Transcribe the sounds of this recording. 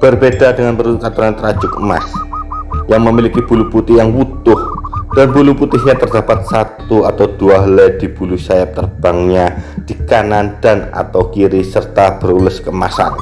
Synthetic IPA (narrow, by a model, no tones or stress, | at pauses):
b̥ərbedadəŋanpəɾukat̪uəɾant̪əɾḁd͡ʒʊk̚ma̰s | jaŋməmilikib̥uluput̪ɪɦjaŋwut̪ʊhd̥anbuluput̪ɪɦɲat̪ərdapat̪̚sat̪uat̪awd̥uaɦlɛd̥ib̥ulusajap̚t̪ərb̥aŋɲad̥ikanandana̰t̪awkiɾisərt̪ab̥əɾulʊskəma̰sa̰n